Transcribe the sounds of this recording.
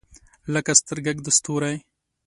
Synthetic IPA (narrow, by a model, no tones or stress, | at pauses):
ləkast̪əɾɡaɡd̪əst̪uɾaj